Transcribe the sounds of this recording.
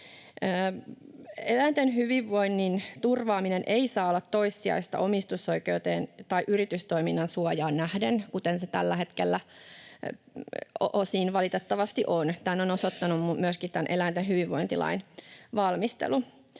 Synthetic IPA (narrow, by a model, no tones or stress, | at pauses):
əː | elæint̪enhyʋiʋːoinːint̪urʋɑːminenʔeisɑːolːɑt̪to̞isːiɑ̰ist̪ɑ̰ʔomist̪uso̞ike̞ut̪eːnt̪ɑiʔyrit̪yst̪oiminːɑnsuɑjɑːnːæhdenkut̪enset̪ælːæhet̪kelːæ | ʔosiːnʋɑlit̪et̪ːɑʋɑst̪iʔont̪ænːonosot̪ːɑnummumyøskitt̪ænʔelæint̪enɦyʋiʋːo̞̰int̪ilɑ̰inʋɑlmist̪ḛlu